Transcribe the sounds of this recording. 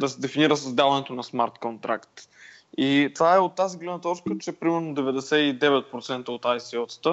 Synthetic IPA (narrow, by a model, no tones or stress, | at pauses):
d̪ɐsɛd̪ɛfiniɾəsəzd̪alˠɐnɛt̪onɐsmaɾt̪kont̪ɾa̰kt̪ | it̪ovaɛot̪ːaziɡlɛnət̪ɔɾskət͡ʃɛɛpɾimɛɾnod̪ɛvɛd̪ɛsɛid̪ɛvɛt̪̚pɾot̪sɛnt̪əot̪ajsiɔt̪sə̥t̪ə